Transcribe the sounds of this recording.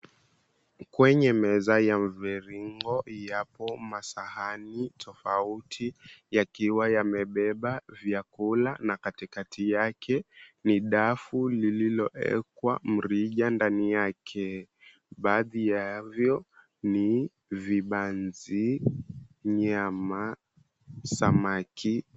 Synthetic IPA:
kwɛɲɛmɛzajam̩vɛɾiŋɡɔjapɔmasahanitʰɔfautʰijakiwajamɛɓɛɓavjakulanakatikatʰijakʰɛniɗafulililɔʔɛ̰kwa̰m̩ɾiʄandanijakʰɛ | ɓaːðijavjɔ | ni | viɓanzi | ɲama | samakʰi

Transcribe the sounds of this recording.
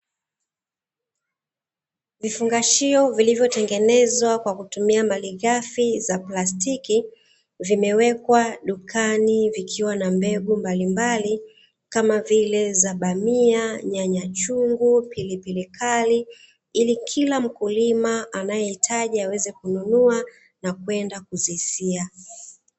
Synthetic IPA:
vifuŋɡaʃiɔvilivjɔtɛŋɡɛnɛzwakwakutumiamaliɣafizaplastiki | vimɛwɛkwaɗukʰanivikʰiwanambɛɓumbalimbali | kamavilɛzaɓamiaɲaɲat͡ʃuŋɡupilipilikʰali | ilikʰilam̩kulimaanajɛhitʰaʄiawɛzɛkununua | nakwɛndakuzisia

